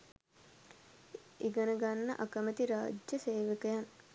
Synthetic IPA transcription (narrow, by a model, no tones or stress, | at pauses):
iɡənəɡanːə̰ʔakəmət̪iɾaːd͡ʒjəseːʋəkəjan